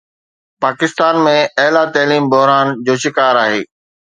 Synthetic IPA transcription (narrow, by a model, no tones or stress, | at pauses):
paːkɪst̪aːnmẽɐɦlat̪ɐːliːmbʊɦɾaːnd͡ʑoːʃɪkaːɾaːɦeː